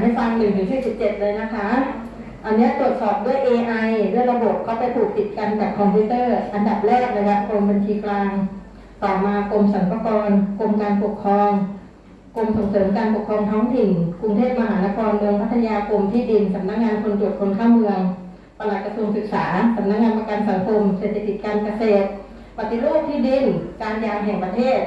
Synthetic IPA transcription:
ɦa˥˩jfa˧ŋnɯ˨˩ŋt̪ʰɯː˩˦ŋsiː˨˩si˨˩p̚t͡ɕe˨˩t̪̚lɤː˧jna˦˥kʰa˦˥ | ʔa˧nːi˦˥ɐt̪ɾu˨˩ə˩t̪̚sɔː˨˩p̚du˥˩əjʔeː˧ʔa˧jdu˥˩əjɾa˧bo˨˩p̚kʰaː˥˩pa˧jt̪ʰuː˨˩k̚t̪i˨˩t̪̚ka˧nkɛː˨˩p̚kʰɔ˧mpʰiː˦˥t̪ɤː˥˩ʔa˧nda˨˩p̚lɛː˥˩k̚na˧kʰa˦˥ko˧mbe˧nt̪ʰiː˧klaː˧ŋ | t̪ɔː˨˩maː˧ko˧msa˩˦npa˧kɔː˧nko˧mkaː˧npo˨˩k̚kʰɾɔː˧ŋ | ko˧mso˨˩˦ŋsɤː˩˦mkaː˧npo˨˩kʰɾɔː˧ŋt̪ʰɔː˦˥ŋt̪i˨˩nku˧ŋt̪ʰeː˥˩p̚ma˧ɦaː˩˦na˦˥kʰɔː˧nmɯ˧əŋpʰa˦˥t̪ʰːa˧jaː˧kʰo˧mt̪ʰiː˥˩di˧nsa˨˦p̚na˦˥k̚ŋaː˧nkʰo˧nt̪u˨˩ət̚kʰo˧nkʰaː˥˩ŋmɯ˧əŋ | pa˧la˨˩t̪̚kɾa˧su˧əŋsɯ˨˩k̚saː˩˦sa˨˧˦p̚na˦˥k̚ŋaː˧npa˧ka˧nsa˩˦ŋkʰo˧mse˨˩t̪ʰːe˧˩ki˨˩t̪̚kaː˧nka˧seː˨˩t̪̚ | pa˨˩t̪i˧˩luː˥˩p̚t̪ʰiː˥˩di˧nkaː˧njaː˧ŋɦɛː˨˩ŋpɾa˧t̪ʰeː˥˩t̪̚

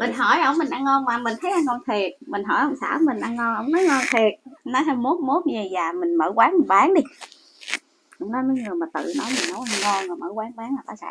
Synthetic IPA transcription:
mï˨˩ŋ̟ɦɔ˧˩jʔə̰˧wŋ͡mmï˨˩ŋ̟ʔa˧ŋɔ˧nmaː˨˩mi˨˩ŋ̟t̪ʰə˨˦jʔa˧nɔ˧nt̪ʰwi˨˩ət̚mi˨˩ŋ̟ɦɔ̰˧˩jʔə˧wŋ͡msa̰ː˧˩˧mï˨˩ŋ̟ʔa˧ŋŋɔ˧nʔə˧wŋ͡mnɔ˨˦jŋɔ˧nt̪ʰwi˨˩ət̚nɔ˨˦jɦaː˧jmo˦˥t̚mo˦˥t̚ə˨˩jzaː˨˩mï˨˩ŋ̟məː˧˩kwaː˨˦˥nmi˨˩ɓaː˨˦ŋɗi˧ | ʔə˨˧˦wŋ͡mnɔ˨˦jməː˨˦jŋɨ˨˩əjmaː˨˩t̪ɨ̰˧˨nɔ˨˦jmi˨˩ŋnɔ˨˦jʔa˧ŋŋɔ˧na˨˩məː˧˩kwaː˨˦ŋkwaː˨˦ŋa˨˩ʔa̰˧˦sa̰ː˧˥

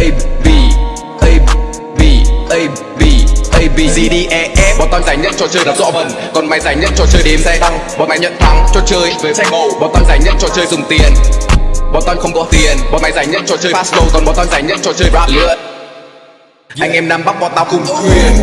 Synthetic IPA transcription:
ʔə˧jvi˧˩ | ʔə˧j | vi˧˩ʔə˧j | vi˧˩ʔə˧jvi˧˩zi˧ɗi˧ʔɛ˧ʔɛ˧ɓɔ˨˩˦t̪ɔ˧ɲzaː˨˩˦jɲə̰˧˥˨nt͡ɕɔ˧t͡ɕəː˧jɗa˨˩p̚zɔ̰˧˥və˨˩n | kɔ˨˩nma˨˦jzaː˨˩˦jɲə̰˧˥˨nt͡ɕɔ˧t͡ɕəː˧jɗe˨˦msɛ˧t̪a˧ŋɓɔ˨˦nma˨˧˦ɲə̰˧˨nt̪a˧ŋt͡ɕɔ˧t͡ɕəː˧jvəː˨˦sɛ˧mə˨˧˩wɓɔ˨˦t̪ɔ˧ɲzaː˨˩jɲə̰˧˥˨nt͡ɕɔ˧t͡ɕəː˧jzʊ˨˩ŋ͡mt̪i˨˩ən | ɓɔ˨˦t̪ɔ˧n̟xə˧wŋ͡mkɔ˨˦t̪i˨˩ənɓɔ˨˦ma˨˦jzaː˨˩jɲə̰˧˥˨nt͡ɕɔ˧t͡ɕəː˧jaː˦˥slə˧wkɔ˨˩nɓɔ˨˦nt̪ɔ˧ɲzaː˨˩jɲə̰˧˥˨nt͡ɕɔ˧t͡ɕəː˧jɓwaː˧˥˩lɨ̰˧˥ə | a˧jŋ̟ʔɛ˧mnaː˧mɓa˦˥k̚ɓɔ˧˩nt̪aː˧wkʊ˨˧˩ŋ͡mwi˧˩ən

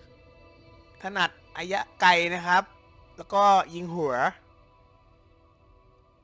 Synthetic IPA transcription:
t̪ʰa˧na˨˩t̪̚ʔaː˧ja˦˥ʔka˧jna˦˥kʰɾa˦˥p̚ | lɛː˦˥wkɔː˥˩ji˧ŋɦu˩˦ɐ

